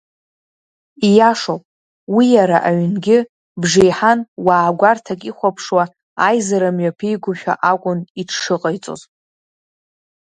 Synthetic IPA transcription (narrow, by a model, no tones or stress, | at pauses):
ijaʂopʼ | wijaɾaʔaɥnɡʲɪ | bʐejħanwaːɡʷartʰakʼiχʷapʰʂwa | ajzaɾamɥapʰijɡʷʊʃᶣa̰ʔakʷʼʊniʈ͡ʂʰʂɨqʼajt͡sʼo̰z